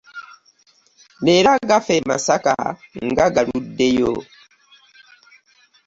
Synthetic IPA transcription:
neɾaɡafema̰saka̰ŋɡaɡaɾudːejo̰

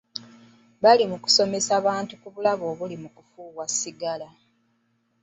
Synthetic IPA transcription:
βalimuku̥so̞me̞saβaːntukuβulaβo̞ːβulimukufuːɣwasiɡala

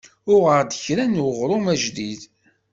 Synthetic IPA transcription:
ʊʁəɾd̪əçɾænuʁɾʊmæʒðið

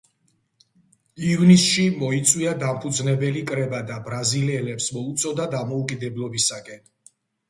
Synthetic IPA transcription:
ivnisʃimɔit̪sʼwiad̪ampʰud̪znɛbɛlikʼɾɛbad̪abɾaziliɛlɛpsmɔut̪sʼɔd̪ad̪amɔukʼid̪ɛblˠɔbisakʼɛn

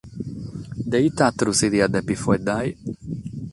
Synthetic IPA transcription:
d̪eit̪at̪ɾusid̪iad̪ɛpifwɛd̪aj

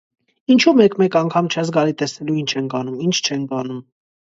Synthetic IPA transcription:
int͡ʃʰumɛkmɛkɑŋkʰɑmt͡ʃʰɛzɡɑlit̪ɛsnɛluint͡ʃʰɛnkɑnumint͡ʃʰt͡ʃʰɛnkɑnum

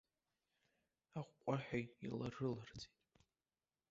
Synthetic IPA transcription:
aqʷʼqʷʼaħᶣajḭlaʐɨlard͡zitʼ

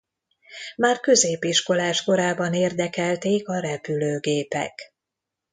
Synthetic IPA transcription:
maːrkø̞zeːpiʃko̞laːʃko̞ɾaːbɒneːrd̪ɛkɛlt̪eːkɒɾɛpyløːɡeːpɛ̰k

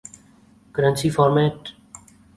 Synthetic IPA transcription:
kəɾə̃nsiːfɔːɾmeːʈ

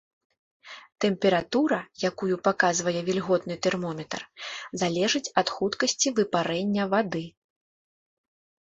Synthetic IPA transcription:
t̪ɛmpʲɛɾat̪uɾɐjakujupakazvɐjɛvʲilʲɣɔt̪nɨt̪ɛrmɔmʲɛt̪ɐrzalʲɛʐɨt͡sʲɐt̪xut̪kɐsʲt͡sʲivɨpaɾɛnʲːɐvad̪ɨ

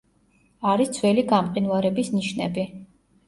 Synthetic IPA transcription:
aɾisd̪sʰwɛliɡamqʼinvaɾɛbisniʃnɛ̰bi

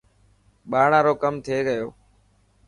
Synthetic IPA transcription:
ɓaːɳãːɾoːkəmt̪ʰeːɡəjoː

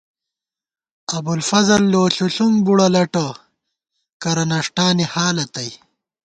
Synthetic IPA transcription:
ɐbulfɐzɐlːoːɬuɬuŋɡbuɽɐlɐʈɐ | kɐɾɐnɐʂʈaːnihaːlɐt̪ɐj

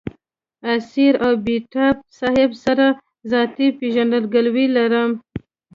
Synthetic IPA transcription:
asiɾawbiʈap̚sɑhɪbsaɾa | zɑt̪ipeʒaɳdəlɡalwilaɾəm

